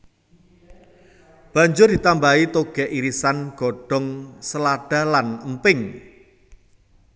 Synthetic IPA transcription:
b̥a̤ɲd͡ʒʊrd̪̥i̤t̪ambait̪oɡ̥ɛʔiɾisanɡ̥ɔ̤ɖ̥ɔ̤ŋsəlaɖ̥a̤lanəmpɪŋ

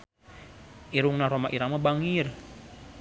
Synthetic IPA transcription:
ʔiɾuŋnahɾomaʔiɾamabaŋir

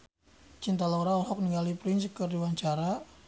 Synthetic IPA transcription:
t͡ʃint̪aloɾaɔɦɔk̚niŋɡalipɾɪnskərdiwaɲt͡ʃaɾa

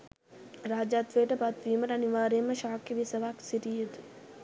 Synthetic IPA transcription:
ɾaːd͡ʒaːt̪ʋeːʈɐpat̪ʋiːmɐɾɐniʋaːɾemɐʃaːkːeʋisɐʋaːksiɾijit̪

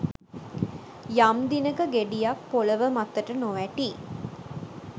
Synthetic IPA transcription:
jamd̪inəkəɡeɖijakpoləʋəmat̪ːəʈənoʋæʈiː

